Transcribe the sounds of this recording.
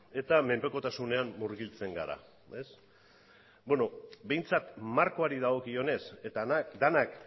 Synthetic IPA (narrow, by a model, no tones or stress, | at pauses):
e̞t̪ame̞mpeko̞t̪asune̞amːuɾɣilt͡se̞ŋɡa̰ɾa̰ | e̞s | beno̞be̞jnt͡sat̪maɾko̞aɾið̞aɣ̞o̞kio̞ne̞set̪aad̪anak